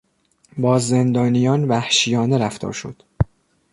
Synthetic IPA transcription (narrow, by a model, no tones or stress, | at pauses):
bɒːze̞nd̪ɒːnijɒːnvæhʃijɒːneɾæft̪ʰɒ̰ːɾʃod̪̥